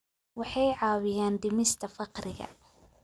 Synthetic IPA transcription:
wɑħɑjʕɑːwɪjaːnd̪ɪmɪst̪ʰɐfɑqrɪɣɐ̰

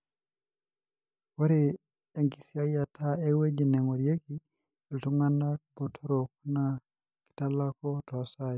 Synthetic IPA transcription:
waɾi | ɛŋkisiajatʰaɛwed͡ʒinɛŋɔɾjeki | ɛltuŋandabɔtʰɔɾɔkuna | ki̥talakɔtɔasaj

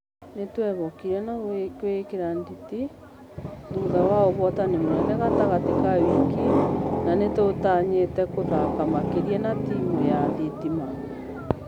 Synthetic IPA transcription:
netwɛβɔkiɾɛnakwekeɾanditi | ðuðawaoβɔtanimwɛnɛɣataɣatekawikinanetotaːɲetɛkoðakamakeɾiɛnatiːmuɾeaðetimana

